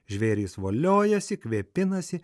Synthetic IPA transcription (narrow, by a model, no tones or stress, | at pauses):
ʒʲʋʲeːɾʲiːsʋoːlʲoːjɛsʲɪkʲʋʲeːpʲɪnɐsʲɪ